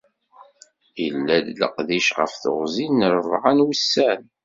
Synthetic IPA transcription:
ilːæðlə̰qðiʃʁə̰fθə̰ʁzinəɾəvʁanwisːæn

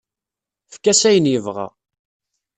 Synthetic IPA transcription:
fkæsæjənjəvʁa̰

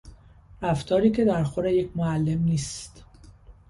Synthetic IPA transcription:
ɾæft̪ʰɒːɾiːcʰe̞d̪æɾxoɾejecʰmoælːe̞mniːst̪

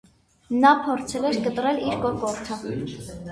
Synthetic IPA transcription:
nɑpʰɔɾt͡sʰɛlɛɾkət̪rɛliɾkɔkɔɾtʰə

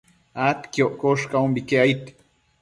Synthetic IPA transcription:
at̪kjoʔkoʃkʼaumbikeait̪

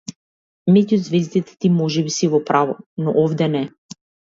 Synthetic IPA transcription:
mɛɟuzvɛzd̪it̪ɛ̥t̪imɔʒɛbisivɔpɾavɔnɔʔɔvd̪ɛnɛ

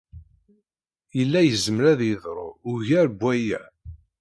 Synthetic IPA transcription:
jəlːæjəzəməɾæðjəðˤɾˤo̰ʊʝæɾbwæjæ

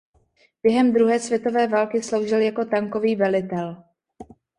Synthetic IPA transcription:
b̥jɛɦɛmd̪ɾuɦɛːsvjɛt̪o̞vɛːvaːlkɪslo̞wʒɪljako̞t̪aŋko̞viːvɛlɪt̪ɛl

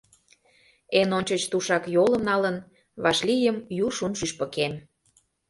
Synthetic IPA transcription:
enonʲt͡ɕət͡ɕt̪uʃɑkjolə̆mnɑlən | βɑʃlʲijəmjuʃunʃyʃpə̆kem

